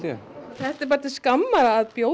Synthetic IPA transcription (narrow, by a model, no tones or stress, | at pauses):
ɛ̰θɛht̪ɛɾpaɾt̪ɪ̥skamːaɾaːðpjo